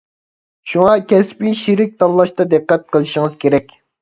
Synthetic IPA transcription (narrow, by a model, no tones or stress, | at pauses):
ʃuŋɑkʲʰɛspiʃiɾɪk̚ʲt̪ɑlˠːɑʃt̪ɑd̪ɨqːɛt̪̚qʰəlˠɨʃɪŋəz̥kʲʰeɾɛkʲ